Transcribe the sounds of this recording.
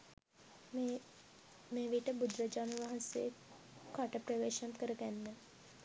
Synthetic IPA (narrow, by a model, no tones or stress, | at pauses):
meːʋiʈəbud̪ɾəd͡ʒaːnəʋaɦɐ̃seː | kaʈəpɾəʋeːʃənkəɾəɡænːə